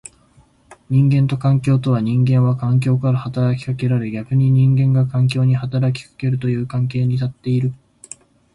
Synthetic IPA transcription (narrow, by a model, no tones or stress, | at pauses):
ɲ̟ĩŋɡẽnt̪o̞kãŋkʲo̞ːt̪o̞βaɲ̟ĩŋɡẽ̞ɰ̃βakãŋk̬ʲo̞ːkaɾahat̪aɾakʲi̥kake̞ɾaɾe̞ɡʲakɯ̟ɲ̟iɲ̟ĩŋɡẽ̞ŋɡakãŋk̬ʲo̞ːɲ̟ihat̪aɾakʲi̥kḁke̞ɾɯ̟t̪o̞jɯ̟ːkãŋke̞ːɲ̟it̪at̪ːe̞iɾɯ̟